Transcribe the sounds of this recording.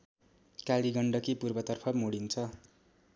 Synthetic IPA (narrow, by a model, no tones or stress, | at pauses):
kaliɡʌɳɖʌkipurbʌt̪ʌrpʰʌmuɽint͡sʰʌ